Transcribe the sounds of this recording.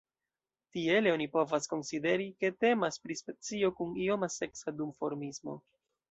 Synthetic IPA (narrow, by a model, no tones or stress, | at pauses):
tie̞leo̞nipo̞vasko̞nside̞ɾike̞te̞maspɾispe̞t͡sio̞kunio̞mase̞ksadumfo̞ɾmismo̞̰